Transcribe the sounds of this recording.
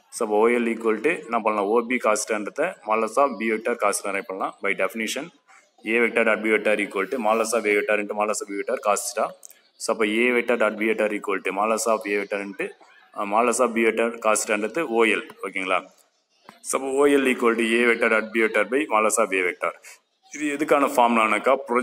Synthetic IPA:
soːɐpːɐ̃oːjɛliːkːoːlʈːɯnãːpɐːɳɐlãːoːbikaːsɪ̥ʈaːɳɖɾɐt̪ːɐmaːlɐsaːbbiːʋɛk̚ʈːaːɾkaːsɪ̥ʈːaːɾãːpɐːɳɐlãːbɐɪɖɛfɪniʂɐn | eːʋɛk̚ʈaːɾɐʈ̚biʋɛʈːaːɾiːkːoːlʈːɯmaːlɐsaːbeːʋɛk̚ʈːaːɾɛɳʈːɯmaːlɐsaːbbiːʋɛʈːaːɾkaːst͡ʃʈːãː | soːɐpːɐ̃ːeːʋɛk̚ʈːaːɾɖaʈ̚biːeʈːaːɾiːkːoːlʈːɯmaːlɐsaːbeːʋɛk̚ʈːaːɾɛɳʈɯ | maːlɐsaːbbiːʋɛʈːaːɾkaːsɪ̥ʈːaːɳɖɾɐt̪ːɯoːjɛloːkːiŋɡɐɭa̰ː | soːɐpːɐ̃oːjɛliːkːoːlʈɯeːʋɛk̚ʈːaːɖɐʈ̚biːʋɛk̚ʈːaːɾbɐɪmaːlɐsaːbeːʋɛk̚ʈaːɾ | ɪðɯɛðɯkːaːnɐfaːmlaːnɐkːaːpɾɔ

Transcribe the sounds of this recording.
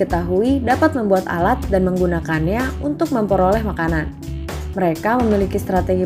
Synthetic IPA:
ət̪aɦuidapat̪̚məmbuat̪a̰lat̪̚danməŋɡunakanɲaunt̪ʊk̚məmpəɾolɛhmakanan | məɾekaməmilikist̪ɾat̪eɡi

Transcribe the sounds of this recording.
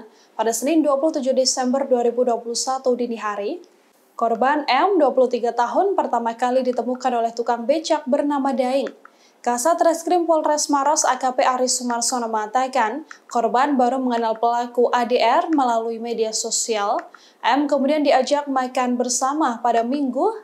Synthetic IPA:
padasənɪnduapuluht̪ud͡ʒuhdesɛmbərduaɾibuduapulusat̪udiniɦaɾi | kɔrbanɛmduapuluht̪iɡat̪aɦʊnpərt̪amakalidit̪əmukanolɛht̪ukaŋbet͡ʃak̚bərnamadaɪŋ | kasat̪ɾɛskɾɪmpɔlrɛsmaɾɔsakapeʔaɾisumarsɔnaməŋat̪akankɔrbanbaɾuməŋənalpəlakuʔadeʔɛrməlaluimediasosial | ʔɛmkəmudiandiad͡ʒak̚makanbərsamapadamiŋɡu

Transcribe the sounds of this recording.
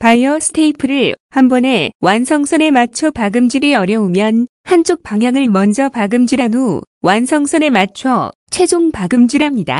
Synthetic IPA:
paiʌsʰɯ̥tʰeipʰɯɾɯɭhambʌne̞wʔansʰʌŋsʰʌne̞mat͡ɕʰʌpaɡɯmd͡ʑiɾiʌɾjʌumjʌnhant͡ɕ͈ʰok̚p͈aŋjaŋɯɭmʌnd͡ʑʌpaɡɯmd͡ʑiɾano | wansʰʌŋsʰʌne̞mat͡ɕʰʌt͡ɕʰe̞d͡ʑoŋpaɡɯmd͡ʑiɾɦamɲida̰

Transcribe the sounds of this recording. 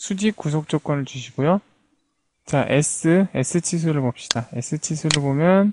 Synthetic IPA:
sʰud͡ʑikus̬ʰok̚t͡ɕ͈ok͈wʌnɯɭt͡ɕuɕ̬ʰiɡojo | t͡ɕaʔe̞̰s͈ɯe̞̰sʰɯt͡ɕʰis̬ʰuɾɯɭbop̚ɕ͈i̥d̥ae̞̰s͈ʰɯt͡ɕʰisʰuɾɯɭbomjʌn

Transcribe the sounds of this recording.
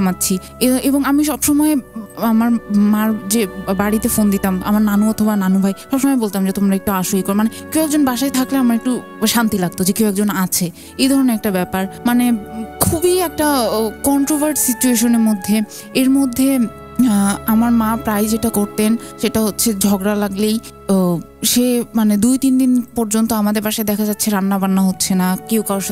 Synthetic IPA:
matːɕʰi | eeboŋamiʃɔbʃɔmɔeamaɾmaɾd͡ʑebaɽit̪efond̪it̪ama̰maɾnanoɔt̪ʰobananobʱajʃɔbʃɔmɔebolt̪amd͡ʑet̪omɾaek̚ʈuaʃoikoɾemanekewɛk̚d͡ʑonbaʃaet̪ʰakleamaɾek̚ʈu | ʃant̪ilaɡ̚t̪od͡ʑekewɛk̚d͡ʑonat͡ɕʰe | ejd̪ʱɔɾoneɾɛk̚ʈabɛpaɾmanekʰubiɛk̚ʈakɔɳʈɾobaɾʈsit͡ɕueʃoneɾmod̪ʱːe | eɾmod̪ʱːe | amaɾmapɾajd͡ʑeʈakoɾt̪enʃeʈaɦotːɕʰed͡ʑʱɔɡɾalaɡlej | ʃemaned̪ujt̪ind̪inpɔɾd͡ʑont̪oamad̪eɾbaʃaed̪ɛkʰad͡ʑatːɕʰeɾanːabanːaɦotːɕʰenakewkaʃ

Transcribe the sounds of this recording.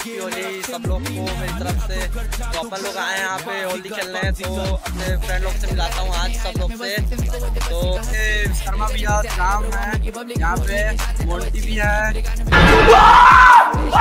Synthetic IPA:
iɦoːd͡ʒaisɐbloːɡkomeːɾit̪ɐɾəfsed͡ʒ̪oɐpnẽloːɡaːẽjɦãːpeɦoːld̪ikʰeːlneɦɛ̃t̪oɐpnẽfɾɛ̃ːɳɖloːɡsemɪlaːt̪aɦũaːd͡ʒsɐbloːɡset̪oːesɐɾmabʱiaːɾnaːmɦɛ̃ | jɐɦãːpemoːlʈ̪ibʱiɦɛː

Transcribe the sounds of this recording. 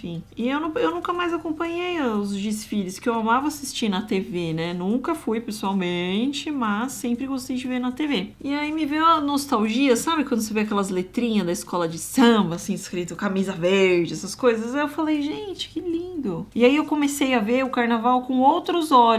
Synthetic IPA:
fĩɪewnɐ̃ewnũkɐmajzakõpɐ̃ɲejɐʊzd͡ʒisfiʎʊskɪewamavɐasist͡ʃĩnɐt̪evenɛnũŋkɐfujpesuawmẽt͡ʃɪmɐsːẽpɾɪɡost̪ejd͡ʒɪveɾnɐt̪eveɪaimɪvewɐnost̪awʒiɐsabɪkwɐ̃nd̪ʊsevijakɛlɐzlet̪ɾĩɲɐzd̪ɐiskɔlɐd͡ʒɪsɐ̃mbɐːsĩɪskɾit̪ʊkamizɐveɾd͡ʒɪɛsɐskojzɐzaewfalejʒẽt͡ʃɪ̥kɪlĩd̪ʊɪaiewkõmesejɐveɾʊkaɾnavawkõowt̪ɾʊzɔʎ

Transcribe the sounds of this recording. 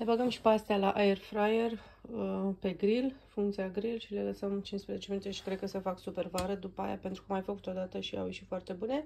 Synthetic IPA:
nebaɡəmʃi̥past̪ealaʔaerfɾajer | əpe̞ɡɾilfuŋkt̪siaɡɾilʃileləsəmt͡ʃinspɾeze̞t͡ʃeminut̪eʃi̥kɾed̪kəsəfaksupe̞rvaɾəd̪upəa̰ja̰pe̞nt̪ɾukəmajfəku̥t̪od̪at̪əʃia̰wjeʃifoart̪e̞bune̞

